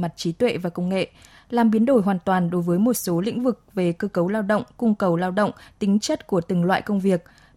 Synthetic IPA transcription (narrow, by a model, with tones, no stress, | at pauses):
ma˨˩t̚t͡ɕi˨˦t̪wḛ˧˨vaː˨˩kə˧wŋ͡mŋḛ˧˨ | laː˨˩mɓi˨˦ənɗo˧˩jɦwaː˨˩nt̪waː˨˩nɗo˨˦jvəː˨˦jmo˨˩t̚so˨˦lḭ˧˥ŋ̟vɨ˨˩k̚ve˨˩kəː˧kə˨˦wlaː˧wɗə̰˧˨wŋ͡mkʊ˧ŋ͡mkə˨˩wlaː˧wɗə̰˧˨wŋ͡mt̪ï˨˦ŋ̟t͡ɕə˦˥t̚ku˧˩ət̪ɨ˨˩ŋlwa̰ː˧˨jkə˧wŋ͡mvi˨˩ək̚